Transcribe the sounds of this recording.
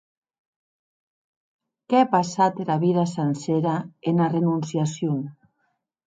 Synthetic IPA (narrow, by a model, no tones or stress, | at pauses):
keapasat̪eɾaβiðasenseɾaenarenunsjasjoŋ